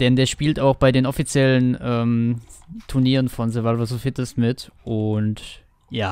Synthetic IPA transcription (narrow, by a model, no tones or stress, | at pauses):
d̥ɛndeːɐʃpiːltaʊxb̥aɪdeːnɔfit͡sjɛlənʔɛːm | tʰuɐniːʁənfɔnzɛvalvasofɪtəstmɪtʔʊnt | jaː